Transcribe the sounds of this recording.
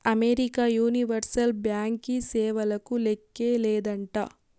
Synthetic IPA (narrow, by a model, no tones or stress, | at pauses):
ɐmeɾikaːjuːniʋɐɾsɐlbjaːŋkisɛːʋɐlɐkulekːeːlɛːd̪ɐɳʈaː